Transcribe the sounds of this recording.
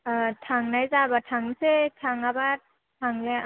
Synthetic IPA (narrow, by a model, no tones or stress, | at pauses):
tʰaŋnajzabatʰaŋsetʰaŋaba | tʰaŋle